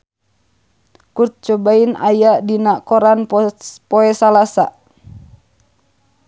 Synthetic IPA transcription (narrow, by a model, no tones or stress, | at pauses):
kut̪̚t͡ʃɔbainajadinakɔɾanpɔɛsalasa̰